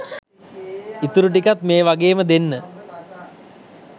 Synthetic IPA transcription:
it̪uɾuʈ̬ikat̪meːʋaɡeːməd̪enːə

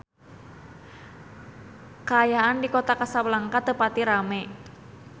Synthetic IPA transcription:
kaːjaʔandikot̪akasawlaŋkat̪əpat̪iɾame

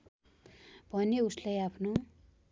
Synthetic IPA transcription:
b̥ʱʌneuslajapʰno

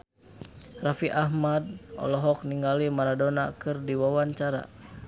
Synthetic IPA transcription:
rafiʔahmad̚ʔɔ̰lɔɦɔk̚niŋɡalimaɾadɔnakɨrdiwawaɲt͡ʃaɾa̰

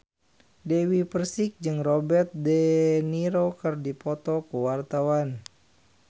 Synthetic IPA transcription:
dɛwipərsik̚d͡ʒɨŋrɔbɛrt̪̚dɛniɾokɨrdipɔt̪ɔkuwart̪awan

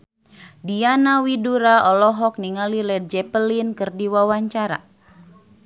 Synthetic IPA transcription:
dianawiduɾaɔlɔɦɔk̚niŋalilɛd͡ʒɛpəlinkɨrdiwawaɲt͡ʃaɾa̰

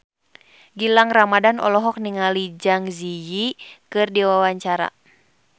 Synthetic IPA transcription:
ɡilaŋramadanɔ̰lɔɦɔk̚niŋalid͡ʒaŋzijikɨrdiwawaɲt͡ʃaɾa̰

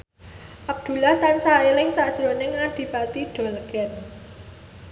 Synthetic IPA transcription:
ʔab̚d̪̥ṳlaht̪ansaelɪŋsaʔd̥ʒ̥ɾonɪŋaɖ̪̥i̤bat̪iɖ̥ɔlɡ̥ɛn

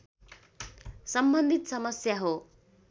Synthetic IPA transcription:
sʌmbʌnd̪ʱit̪sʌmʌsjaɦo

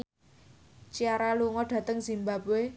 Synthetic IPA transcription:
t͡ʃiaɾaluŋɔɖ̥ä̤t̪əŋz̥imbabe

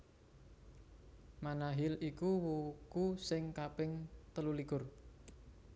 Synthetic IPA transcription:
manaɦɪlikuwukusɪŋkapɪŋt̪əlulikʊr

